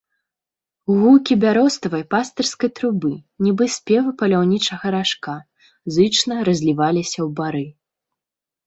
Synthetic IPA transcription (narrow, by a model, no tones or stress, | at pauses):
wɣukʲibʲaɾɔst̪ɐvɐjpast̪ɐrskɐjt̪ɾubɨnʲibɨsʲpʲɛvɨpɐlʲawnʲit͡ʂɐɣɐɾaʂka | zɨt͡ʂnɐɾɐzʲlʲivalʲisʲɐwbaɾɨ